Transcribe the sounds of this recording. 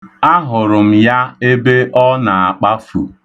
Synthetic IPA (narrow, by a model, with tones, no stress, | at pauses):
a˦ɦʊ˨ɾʊ˨m̩˨ja˦e˦be˦ʔɔ˦na˨a˨k͡pa˦fu˨